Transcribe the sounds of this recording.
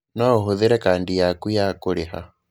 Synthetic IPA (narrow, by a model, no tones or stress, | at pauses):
nɔɦuðiɾɛkaːndijakujakuliha̰